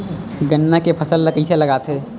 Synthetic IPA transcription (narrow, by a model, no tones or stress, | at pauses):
ɡənːakepʰɐsəlːɐkit̪ʰelɐɡaːt̪eː